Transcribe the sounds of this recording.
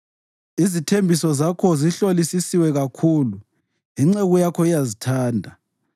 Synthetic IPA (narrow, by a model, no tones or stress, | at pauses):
izitʰembʱisɔzakʰɔziɬolisisiwɛɣakʰuːlu | iŋ͡ǀɛɣujakʰɔijazitʰaːndʱa